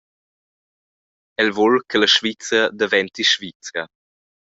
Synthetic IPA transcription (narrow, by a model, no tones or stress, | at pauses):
ɛlvolkʰələʃvit͡səd̪əvɛnt̪iʃvit͡sɾə